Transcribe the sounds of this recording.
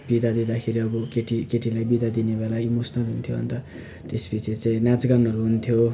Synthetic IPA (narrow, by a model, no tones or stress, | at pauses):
b̥id̪ad̪id̪akʰeɾiʌbʌkeʈikeʈilajbid̪ad̪inebelaimosnʌlɦunt̪ʰjoɦʌ̰nt̪ʌ | t̪espit͡sʰit͡sãĩnad͡zɡanɦʌɾuɦunt̪ʰjo